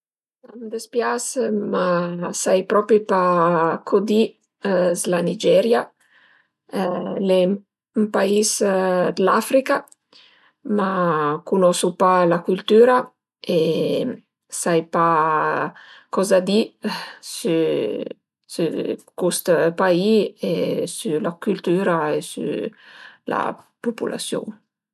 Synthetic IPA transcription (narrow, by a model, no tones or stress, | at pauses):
samd̪espjasmasajpɾɔpɾipakʰod̪i | zlanid͡ʒɛɾja | lɛ | mpaisd̪lafɾika | makunɔsupalakylt̪yːɾa | e | sajpa | kɔzad̪isy | sy̰kust̪paiesylakylt̪yːɾaesy̰ | la̰pupṵlʔa̰sjṵ